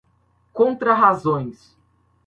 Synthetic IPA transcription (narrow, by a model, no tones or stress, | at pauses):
kõnt̪ɾɐɦazõj̃s